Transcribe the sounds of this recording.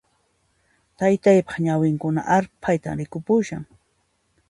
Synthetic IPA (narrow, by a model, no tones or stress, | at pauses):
t̪ajt̪ajpɑχɲawɪŋkʊna̰ʔaɾpʰajt̪a̰mɾɪkʊpʊʃa̰ŋ